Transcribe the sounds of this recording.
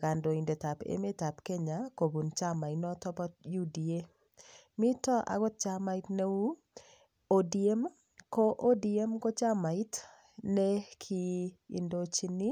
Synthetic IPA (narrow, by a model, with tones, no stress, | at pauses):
ɡa˨ndo˨i˨nde˨ta˨pḛ˦me˦ta˨pke˦ɲa˨ko˨bu˨nt͡ʃa˦ma˨i˨nɔ˦tɔ˦bɔ˦tju˦di˨e˦ | mi˦tɔ˦ʔa̰˨ɡɔ˦t̚t͡ʃa˦ma˦i˦tne˦u˦ | o˨die˦m | ko˦ʔo˦di˨e˦mko˦t͡ʃa˦ma˨i˦t | nɛ˦kʰi˦ḭ˨ndo˦t͡ʃi˦ni˦